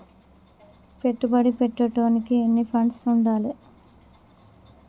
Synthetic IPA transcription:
pe̞ʈːubɐɽipeʈːɐʈoːnikienːipʰɐɳɖsuɳɖaːli

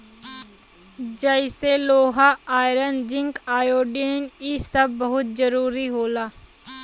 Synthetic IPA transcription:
d͡ʒəɪseloːɦaaːjɾənd͡ʒɪ̃ŋkaːjoːɖinisɐb̚ːɐɦʊt̪̚d͡ʒəɾuːɾiɦoːlaː

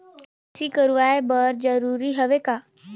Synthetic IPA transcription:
siːkəɾuʋajbəɾd͡zəɾuɾiːɦəʋeka

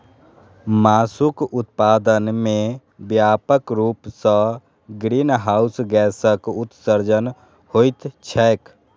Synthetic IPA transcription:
maːsukʊt̪paːd̪ənmẽ | bjaːpəkɾuːpsə̃ | ɡɾiːnɦaːʊsɡɛːsəkʊt̪səɾd͡ʒən | hoːit̪t͡ʃʰɛːk

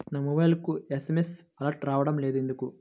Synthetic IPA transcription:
naːmobɐjlkuesemesɐlɐɾʈɾaːʋɐɽɐmleːd̪e̞nd̪uku

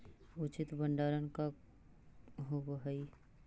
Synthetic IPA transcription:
ʊt͡ʃɪt̪bəɳɖaːɾənka | ɦowəɦəi

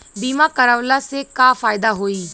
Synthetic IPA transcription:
b̪iːmãːkəɾəʋlaːseːkaːfʰaːɪd̪aːɦoːiː

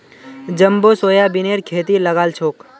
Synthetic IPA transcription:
d͡ʒəmbosoːjabineɾkʰeːt̪iləɡaːlt͡ʃʰoːk

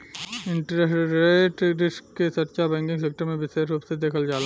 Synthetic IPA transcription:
ɪ̃ɳʈɾeɾeːʈɾɪʃkkesɐtt͡ʃabɛ̃ːŋkɪ̃ŋɡs̬eːk̚ʈəɾmẽbɪseɾuːpsed̪eːkʰəld͡ʒaːla

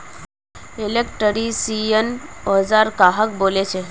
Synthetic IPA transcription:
elekʈəɾisiənɔd͡zaɾkaɦək̚bolet͡ɕʰe

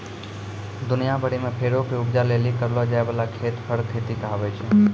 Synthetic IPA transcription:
d̪ʊnijabʱəɽimẽpʰeːɽokeʊpd͡ʒalelikəɾlod͡ʒaːeʋəlakʰeːt̪pʰəɾt̪ʰet̪ikəɦaʋet͡ʃʰe

